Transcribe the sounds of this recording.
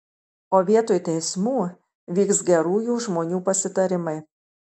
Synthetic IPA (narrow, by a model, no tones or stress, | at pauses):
oːʋʲiɛt̪oːjt̪ʲɛɪsmuː | ʋʲiːksɡʲɛɾuːjuːʒmoːnʲuːpɐsʲɪt̪ɐɾʲɪmɐɪ